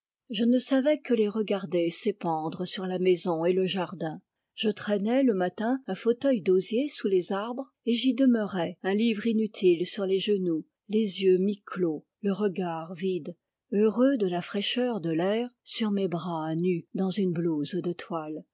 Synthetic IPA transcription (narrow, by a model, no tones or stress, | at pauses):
ʒənəsavɛkəleʁəɡaʁd̪esepɑ̃d̪ʁəsyʁlamɛzɔ̃eləʒaʁd̪ɛ̃ | ʒ̥ət̪χɛnɛləmat̪ɛ̃ɛ̃fot̪œjd̪ozjesulezaʁbʁ | eʒid̪əmœʁɛɛ̃livʁinyt̪ʰilsyʁleʒənu | lezjømiklo | ləʁəɡaʁvid̪ | øʁød̪əlafχɛʃœʁd̪əlɛːʁsyʁmebʁanyd̪ɑ̃zynblozd̪ət̪ʰwal